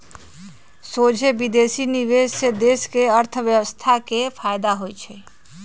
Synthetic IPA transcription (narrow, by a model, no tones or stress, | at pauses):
sod͡ʒʱebid̪esiniʋed͡ʒsed̪eskeəɾt̪ʰəʋjəʋəst̪ʰakepʰajd̪aɦojt͡ʃʰɛ